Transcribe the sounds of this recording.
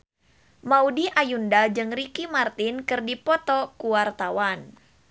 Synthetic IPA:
maudiʔajundad͡ʒɨŋrikimart̪ɪnkɨrdipɔt̪ɔkuwart̪awan

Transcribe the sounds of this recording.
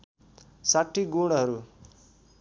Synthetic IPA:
saʈʰːiɡoɽ̃ɦʌɾu

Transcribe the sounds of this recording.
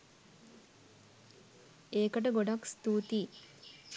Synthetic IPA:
eːkəʈ̬əɡoɖakst̪uːt̪i

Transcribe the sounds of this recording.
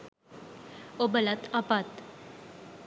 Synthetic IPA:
obəlat̪apat̪

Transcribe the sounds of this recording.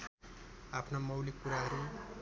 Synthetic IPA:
apʰnamʌwlikːuɾaɦʌɾu

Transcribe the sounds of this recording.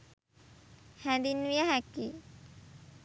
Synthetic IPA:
hænd̪inːʋijaɦækːi

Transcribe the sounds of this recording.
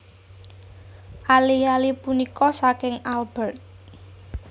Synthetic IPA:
ʔalijalipunikʰɔsakɪŋalb̥ɛrt̪̚

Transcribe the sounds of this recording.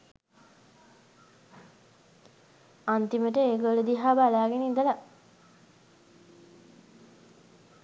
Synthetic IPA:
ant̪iməʈəeːɡoləd̪iɦaːbalaːɡenind̪əla

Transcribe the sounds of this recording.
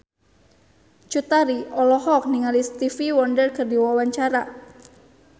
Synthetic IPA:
t͡ʃut̪aɾiɔlɔhɔk̚niŋalist̪ifiwɔndərkərdiwawaɲt͡ʃaɾa

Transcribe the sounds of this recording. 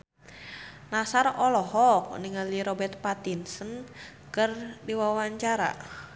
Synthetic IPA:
nasarɔlɔɦɔk̚niŋaliɾɔbɛrt̪̚pat̪insən | kərdiwawaɲt͡ʃaɾa̰

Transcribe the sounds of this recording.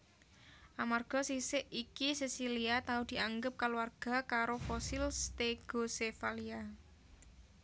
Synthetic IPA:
ʔamarɡ̥ɔ̤sisɪʔikisisiliat̪aud̪̥i̤ʔaŋɡəp̚kalwarɡ̥a̤kaɾofosilst̪eɡ̥o̤sefalia

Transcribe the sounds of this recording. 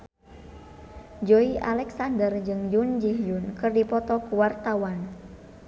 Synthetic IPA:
d͡ʒoiʔalɛksandərd͡ʒɨŋjund͡ʒiɦjunkɨrdipɔt̪ɔkuwart̪awan

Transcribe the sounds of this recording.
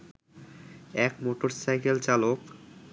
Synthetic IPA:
ɛkmoʈoɾsajkelt͡ɕalok

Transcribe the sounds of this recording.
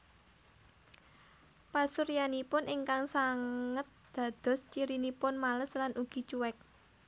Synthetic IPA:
pasuɾjanipʊnʔiŋkaŋsaŋət̪̚d̪̥ä̤d̪̥ɔ̤st͡ʃiɾinipʊnmaləslanʔuɡ̥i̤t͡ʃuwɛk̚

